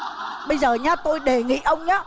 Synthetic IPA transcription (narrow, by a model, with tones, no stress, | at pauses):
ɓə˧jzəː˨˩ɲa˨˦˥t̪o˧jɗe˨˩ŋḭ˧˨ʔə˧wŋ͡mɲaː˦